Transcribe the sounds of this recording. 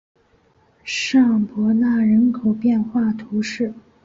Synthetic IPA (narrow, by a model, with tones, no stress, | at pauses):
ʂɑ˥˩ŋpwɔ˧˥na˥˩ɻə˧˥nkʰo˨˩ʊpjɛ˥˧nxwa˥˩t̪ʰu˧˥ʂɻ̩˥˩